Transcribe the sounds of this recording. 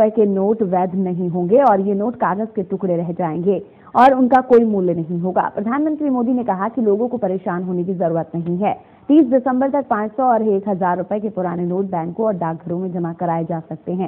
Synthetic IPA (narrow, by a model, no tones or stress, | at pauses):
əekenoːʈʋɛːd̪nɐɦĩɦõːŋ̆ɡeɔːɾjenoːʈkaːɾɡəzkeʈʊkɽeɾɛɦd͡ʒaːẽːŋɡeː | ɔːɾʊnkakoːimuːlnɐɦĩɦoːɡa̰ːpɾɐd̪ʱaːnmə̃nt̪ɾimoːd̪inekɐɦakiloːɡõkopɐɾeːʃaːnɦoːnek̬izɐɾuːɾət̪nɐɦĩɦɛː | t̪iːs̬ɖɪsə̃mbəɾt̪ɐk̚pãːt͡ʃsɔɔɾeːkɦɐzaːɾːʊpəekepʊɾaːnenoːʈ̚bɛ̃ːŋkkoɔːɾɖaːk̚ɡʱɐɾõmẽd͡ʒɐmakɐɾaːed͡ʒaːsɐk̚t̪eɦɛ̃ː